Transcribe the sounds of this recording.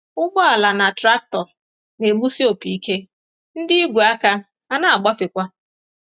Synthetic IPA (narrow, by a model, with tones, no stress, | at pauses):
ʊ˦ɡ͡bɔ˦a˨la˨na˨tɾa˦k̚tɔ˨ɾ | ne˨ɡ͡bu˦si˦o˨pi˨i˦ke˦ | n̩˦dɪ˦i˦ɡʷu˨a˦ka˦ | a˦na˦a˨ɡ͡ba˦fɪ˨kʷa˦